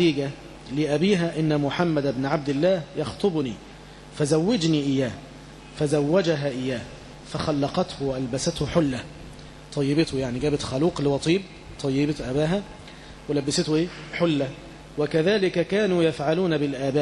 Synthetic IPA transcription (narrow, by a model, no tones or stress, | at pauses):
iːɡæ | lɪʔæbiːɦæʔɪnːæmʊħamːæd̪ɪbnʕab̚d̪ɪlːæːhjɑxt̪ˤobniː | fæzæwːɪd͡ʒniːʔɪjːæː | fæzæwːæd͡ʒæɦæʔɪjːæː | fæxɑlːɑqɑt̪hʊwæʔælbæsæt̪hʊħʊlːæ | t̪ˤɑjːɪbɪt̪hʊjaʕniɡæːbɪt̪xɑluːqlɪwɑt̪ˤiːb̚ | t̪ˤɑjːɪbɪt̪ʔæbæːɦæ | wɪlæbːɪsɪt̪hʊʔeːħʊlːæ | wɪkæðæːlɪkækæːnuːjafʕaluːnæbɪlʔæːbæː